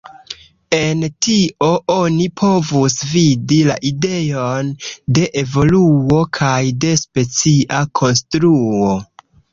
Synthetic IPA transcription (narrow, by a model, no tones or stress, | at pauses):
e̞ntio̞ʔo̞nipʰo̞vusvidila̰ʔide̞jo̞nde̞ʔevo̞luo̞kʰajde̞spe̞t͡siʔakʰo̞nstɾuo